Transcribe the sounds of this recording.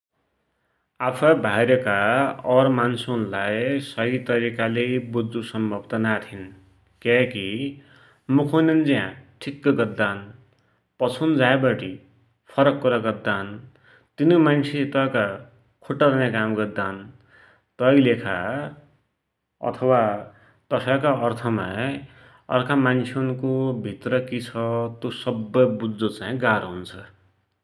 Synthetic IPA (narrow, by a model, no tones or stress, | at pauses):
apʰʌbʱajɾʌkaʌrmansunlajsʌɦit̪ʌɾikalebud̪ːusʌmbʱʌbt̪ʌnat̪ʰin | kaki | mukʰonʌnd͡zijãʈʰikːʌɡʌd̪ːan | pʌt͡sʰund͡zajbʌʈi | pʰʌɾʌkːuɾʌɡʌd̪ːan | t̪inomant͡sʰet̪ʌka | kʰoʈːaɾʌnakamɡʌd̪an | t̪ʌjlekʰa̰ | ʌ̰t̪ʰʌwa | t̪ʌsakaʌrt̪ʰʌma | ʌ̰rkʰamant͡sʰonkobʱit̪rʌkit͡sʰʌt̪osʌbːʌjbud͡zːot͡saĩɡaɾɦunt͡sʰʌ